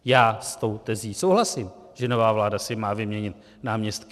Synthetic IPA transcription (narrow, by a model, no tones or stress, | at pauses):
jaːst̪o̞wt̪ɛziːsowɦlasɪm | ʒ̥ɛnovaːvlaːdasɪmaːvɪmɲɛɲɪt̪ | naːmɲɛst̪k